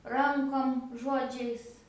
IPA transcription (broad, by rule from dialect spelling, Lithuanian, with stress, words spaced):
ˈrɐŋkoːm ˈʒoːd͡ʒʲɛɪs